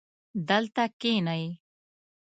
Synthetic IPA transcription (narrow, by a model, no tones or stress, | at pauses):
d̪əlt̪akenaji